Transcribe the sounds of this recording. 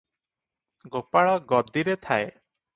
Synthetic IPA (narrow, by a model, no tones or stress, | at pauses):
ɡopaɭɔɡɔd̪iɾet̪ʰae